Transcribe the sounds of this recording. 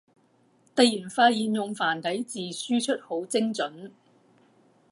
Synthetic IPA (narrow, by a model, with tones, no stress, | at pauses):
t̪ɐ˨˧jjiː˨˩nfaː˧t̚jiː˨˧njʊ˨ŋfaː˨˩nt̪ʰɐ˨˥jt͡siː˨syː˥t͡ʃʰɵ˥t̚ho˨˥wt͡sɪ˥ŋt͡sɵ˨˥n